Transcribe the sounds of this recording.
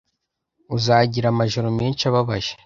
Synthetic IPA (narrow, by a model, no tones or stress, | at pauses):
uzaɟiɾamaʒoɾomiːnʃaβaβaʒe̥